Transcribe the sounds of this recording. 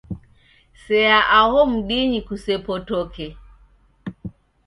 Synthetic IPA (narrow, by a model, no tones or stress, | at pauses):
sɛaʔahɔm̩ɗiɲikusɛpɔtɔkʰɛ